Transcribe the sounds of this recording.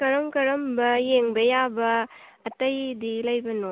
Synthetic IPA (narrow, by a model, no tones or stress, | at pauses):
kɐɾɐmkɐɾɐmbɐjeŋbɐjabɐː | tɐjdilɐjbɐno